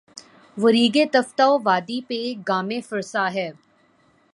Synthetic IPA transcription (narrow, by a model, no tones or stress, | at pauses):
ʋəɾiːɡet̪ɐft̪aoʋaːd̪ipeɡaːmẽfɪɾsaːɦɛː